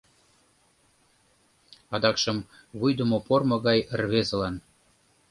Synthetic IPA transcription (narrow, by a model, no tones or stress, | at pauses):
ɑd̪ɑkʃə̆m | βujd̪ə̆mopormŏɣɑjərβezə̆lɑn